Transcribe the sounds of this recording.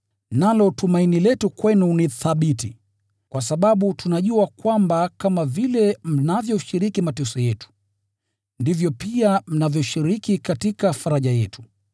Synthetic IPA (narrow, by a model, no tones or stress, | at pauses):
nalɔtumainilɛtukwɛnuniθaɓiti | kwʔasaɓaɓutunaʄuakwambakamavilɛm̩navjɔuʃiɾikimatɛsɔjɛtu̥ | ndivjɔpiam̩navjɔʃiɾikikatikafaɾaʄajɛtu̥